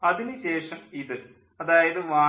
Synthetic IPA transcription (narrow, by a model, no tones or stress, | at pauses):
ɐðinɨɕe̞ːʂɐmiðɨ | ɐðaːjɐðɨʋaː